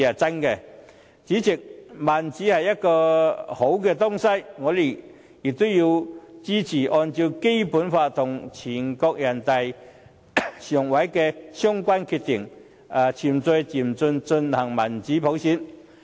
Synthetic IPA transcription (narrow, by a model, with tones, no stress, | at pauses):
a˨˩t͡sa˥nkɛ˧ | t͡ɕi˨˥t͡ɕɪ˨˩k̚ma˨˩nt͡ɕi˨˦˥hɐ˨˩jːɐ˥t̚kɔː˧ho˨˥wkɛ˧t̪ʊ˥ŋsa˥jŋɔ˨˧li˨˩ | ji˨˩k̚t̪o˥ji˧wt͡ɕi˥t͡ɕʰiː˨˩ʔɔ˧nt͡ɕi˧wke˥jpu˨˥nfaː˧t̪ʰʊ˨˩ŋt͡ɕʰi˨˩nkɔ˧k̚jɐ˨˩nt̪a˨j | ɕɔ˨˩ŋwa˨˧˥jkɛ˧ɕjɔ˥ŋkwa˥nkʰy˧t̪i˨˩ŋ | a˨˩t͡ɕʰi˨˩mt͡so˧jt͡ɕi˨˩mt͡sʊ˧nt͡sɵ˧nhɐ˨˩ŋmɐ˨˩nt͡ɕiː˨˦˥pʰo˨˥wsi˧˥n